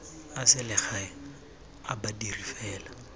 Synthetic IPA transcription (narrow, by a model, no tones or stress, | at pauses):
asɪlɪχaɪ | abadirifɛːla